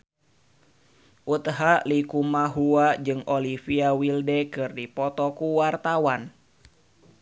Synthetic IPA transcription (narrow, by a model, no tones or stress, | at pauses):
ʔut̪ɦalikumaɦuad͡ʒɨŋolifiawildɛkɨrdipɔt̪ɔkuwart̪awan